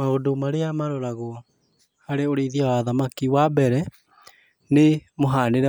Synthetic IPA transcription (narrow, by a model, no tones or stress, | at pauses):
maodomaɾeamaɾoɾaɣo | haɾeoɾeðiawaðamakiwabɛɾɛ | nemoɦaːneɾɛ